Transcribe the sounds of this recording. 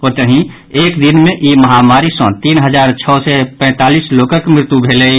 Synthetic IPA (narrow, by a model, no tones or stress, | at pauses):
oːɾt̪əɦĩ | eːkd̪inmẽʔiməɦamaːɾisɔ̰̃t̪iːnɦəd͡ʒaːɾt͡ʃʰɔːsɛpɛ̃ːt̪aːlisloːkəkmɾɪt̪jubʱeːlei